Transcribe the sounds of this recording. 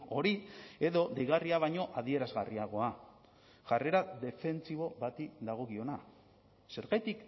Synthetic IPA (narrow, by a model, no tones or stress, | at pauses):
o̞ɾie̞ðo̞d̪ejɣariaβajɲo̞ʔaðie̞ɾazɣariaɣ̞o̞a | ʝare̞ɾad̪e̞fe̞nt͡siβo̞βat̪id̪aɣ̞o̞ɣio̞na | se̞ɾɣajt̪ik